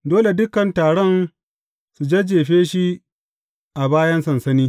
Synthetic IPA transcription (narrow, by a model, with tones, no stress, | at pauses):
doː˦le˨dʊ˦kɐ˨ntaː˨ɽɔ˦n | su˨d͡ʒe˦d͡ʒeː˨ɸeː˦ʃi˦ | ʔa˨baː˦jɐ˦nsɐ˨nsɐ˦niː˦